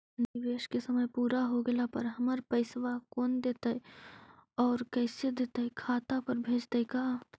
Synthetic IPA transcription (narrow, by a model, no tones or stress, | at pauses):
nɪʋeːʃkesəməjpuːɾaɦoɡəlapɐɾɦɐməɾpɐɪsʋakoːnd̪eːt̪əj | ɔːɾkɛːɪsed̪eːt̪əkʰaːt̪apəɾbʱeːd͡ʒt̪əjkaː